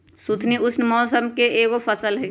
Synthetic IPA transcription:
sut̪ʰniʊsnmɔːsəmkeeːɡofʰɐsəlɦɛ

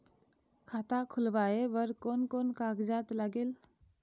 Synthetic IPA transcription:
kʰaːt̪akʰʊlʋaːeʋəɾkoːnkonkaɡd͡ʒat̪ləɡeːl

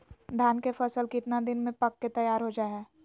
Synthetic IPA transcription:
d̪ʱaːnkefɐsəlkɪt̪nad̪ɪnmẽpɐkːet̪ɐjaːɾɦod͡ʒaːɦɛː

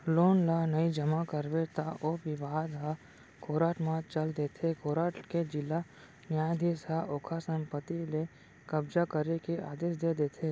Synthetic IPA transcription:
loːnlanəĩd͡ʒəmakəɾʋet̪aʔoʋɪʋaːd̪ɦa | kʰoːɾaːʈmãt͡ʃəld̪eːt̪ʰekʰoːɾaːʈked͡ʒɪlːa | njaːjd̪ʱisaoːkʰasə̃mpət̪ile | kəbzakəɾekiʔa̰ːd̪eːʃd̪eːd̪eːt̪ʰeː

